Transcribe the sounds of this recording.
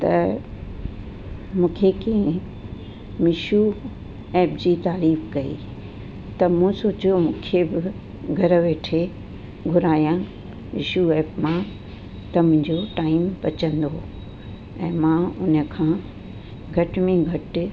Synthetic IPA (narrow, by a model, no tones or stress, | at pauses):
t̪ɐ | mũːkʰekẽɪ̃ | mɪʃu | ɛːpd͡ʑiːt̪aːɾiːfkɐḭ | t̪ɐmũsoːt͡ɕjomũːkʰebɪ | ɡʱɐɾəʋeːʈʰe | ɡʱʊɾaːjã | mɪ̰ʃuɛːpmã | t̪ɐm̤ʊ̃ɲd͡ʑoʈaːɪmpɐt͡ɕə̃nd̪o | ɛ̃ːmãːʊnə̆kʰãː | ɡʱɐʈmẽɡʱɐʈɪ